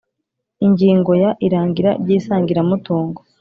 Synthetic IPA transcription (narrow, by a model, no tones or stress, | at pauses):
iɲɟiːŋɡo̞jaʔiɾaːŋɡiɾaɾɟiːsaːŋɡiɾamutuːŋɡo